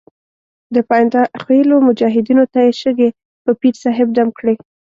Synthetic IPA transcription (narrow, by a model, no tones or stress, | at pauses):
d̪əpɑjnd̪axwelomʊd͡ʒɑɦɪd̪inot̪ajeʃəɡe | pəpiɾsɑɦɪb̚d̪amkɽe